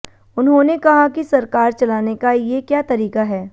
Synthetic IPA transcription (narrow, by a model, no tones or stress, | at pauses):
ʊnɦõnekɐɦakisɐɾkaːɾt͡ʃɐlaːnekajekjaːt̪ɐɾiːkaɦɛː